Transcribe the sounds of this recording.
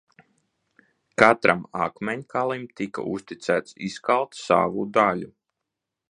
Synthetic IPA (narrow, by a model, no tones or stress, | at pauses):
kat̪ɾʔama̰kmɛɲkalˠimt̪ika̰ʔust̪it̪sæːt̪siskalˠt̪sa̰ːvud̪alʲu